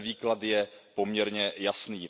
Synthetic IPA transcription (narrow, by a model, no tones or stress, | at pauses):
viːklad̪jɛpo̞mɲɛɾɲɛjasniː